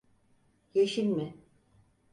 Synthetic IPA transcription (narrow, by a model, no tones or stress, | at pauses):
jeʃinmɪ